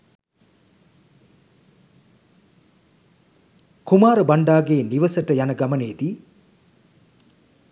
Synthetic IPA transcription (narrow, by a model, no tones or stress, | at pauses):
kumaːɾəbaɳɖaːɡeːniʋəsəʈəjanəɡaməneːd̪i